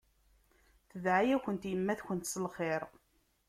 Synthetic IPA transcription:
θəðʕajæçənt̪jəmːæθçənt̪səlχeɾˤ

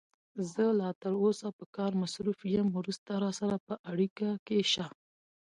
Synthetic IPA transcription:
zəlɑt̪əɽosapəkɑɾmasɾufjəmɾust̪aɾɑsaɾapəʔaɽikakeʃa

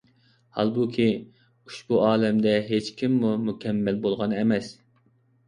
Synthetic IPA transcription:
hɑ̰lˠbukʲʰi | uʃbuʔɑːlɛmd̪ɛɦet͡ʃkʲʰimːumukʲʰɛmːælbolˠʁɑnɛmɛs

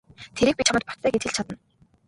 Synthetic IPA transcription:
t̪ʰeɾiːk̚pʲit͡ɕʰamə̆t̪̚pɔt̪ʰːæːɡet͡s̪xɘ̆ɮt͡ɕʰat̪ə̆n

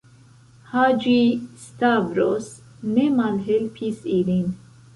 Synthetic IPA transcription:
had͡ʒist̪avɾos | nemalɦelpʰisilin

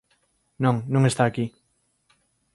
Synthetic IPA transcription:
nõŋnõŋest̪aːki

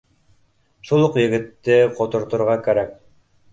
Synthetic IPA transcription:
ʃulˠuqjɘ̆ɡɘ̆t̪ːɘqŏt̪ŏɾt̪ŏɾʁɑkæɾæk̚

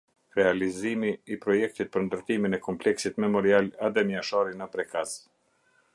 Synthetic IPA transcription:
ɾɛalizimiːpɾɔjɛk̚t̪it̪̚pəɾnd̪əɾt̪iminɛkɔmplɛksit̪mɛmɔɾialaðɛmaʃaɾinəpɾɛkaz

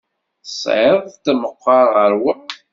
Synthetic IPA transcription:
sˤʕeðˤt̪ːəməqːɑɾˤʁəɾwæ

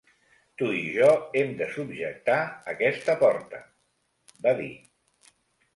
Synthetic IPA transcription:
t̪uiʒɔemd̪əsubʒək̚t̪aəkɛst̪əpɔɾt̪ə | baðḭ

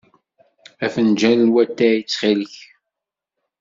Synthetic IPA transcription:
æfənd͡ʒænlwæt̪ːæjit͡sːχiləç

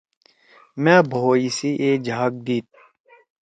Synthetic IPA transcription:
mɛ̃ːbʱoːisiʔeːd͡ʒʱaːk̚d̪iːt̪̚

